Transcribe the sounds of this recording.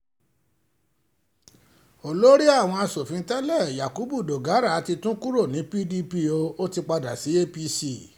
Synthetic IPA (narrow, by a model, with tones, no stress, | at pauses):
o˨lo˦ɾi˦a˦˨w̃ɔ̃˧a˧so˨fĩ˨˧˦tɛ˦lɛ˦˨ja˨ku˨˦bu˦˨do˨ɡa˨˦ɾa˦˨a˨˧ti˧tũ˦ku˦ɾo˦˨nĩ˨˦pi˦di˧pi˧o˧o˦ti˧k͡pa˧da˨si˨˦e˦pi˧si˦˨